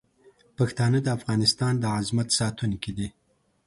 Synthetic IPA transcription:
paxt̪ɑnəd̪əafɣɑnɪst̪ɑnd̪əazmat̪sɑt̪unkid̪i

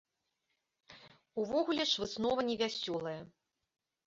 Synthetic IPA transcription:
uvɔɣulʲɛʂvɨsnɔvɐnʲɛvʲasʲɔlˠɐjɐ

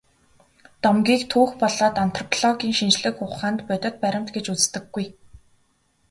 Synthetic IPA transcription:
t̪ɔmɡʲiːkt̪ʰuːxpɔɮɔːt̪an̥t̪rɔpʰɮɔɣʲiːŋʃint͡ɕɮɘ̆kʊχaːnt̪pœt̪ʲɞ̆t̪̚pæɾʲɪ̆m̥t̪ɡet͡ɕut͡st̪ɘ̆ɡːuj

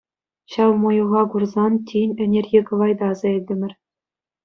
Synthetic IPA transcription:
ɕɑʋmujuʁɑkurzɑntʲinʲɘ̆nʲerʲɡʲekɤ̆ʋɑjd̪ɑzɑ̆ilʲdʲɘ̆mʲɘ̆rʲ

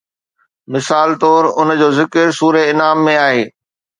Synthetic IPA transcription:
mɪsaːlt̪ɔːɾʊnd͡ʑoːzɪkəɾsuːɾeɪnaːmːẽaːɦeː

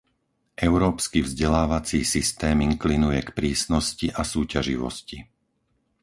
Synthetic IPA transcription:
ʔɛʊɾɔːpskivzɟɛlaːʋat͡siːsist̪ɛːmiŋklinujɛkpɾiːsnɔsciʔasuːcaʒḭʋɔ̰sci

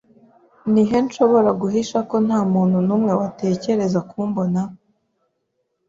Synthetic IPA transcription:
niɦe̞nʃo̞βo̞ɾaɡuɦiʃako̞n̥aːmuːnhunuːmŋe̞wate̞ːce̞ɾe̞zakuːmbo̞na

